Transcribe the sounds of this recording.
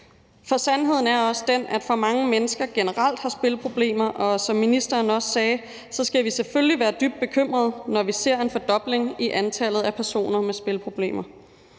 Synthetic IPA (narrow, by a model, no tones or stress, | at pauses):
fɒ̽sænɦe̝ð̞̰ˠn̩æɐɒ̽sd̥enʔæd̥fɑmɑ̈ŋəmenəsɡ̥ɐɡ̥e̝nəʁɑl̰d̥hɑ̈sb̥e̝lpʰʁo̝b̥le̝̰ːmɐʔɒ̽sɒ̽mːinisd̥ɐːnɒ̽sːɛː | sɒ̽sɡ̥æʋisefølliʋæːɐd̥yb̥̚d̥̚b̥e̝kʰøm̰ʁɐð̞ˠnɒʋise̝ɐ̰e̝nfɒ̽d̥ɒ̽b̥le̝ŋiʔænt͡sʰæl̰ð̞̩ˠæpʰæɐso̝̰ːnɐmesb̥e̝lpʰʁo̝b̥le̝̰ːmɐ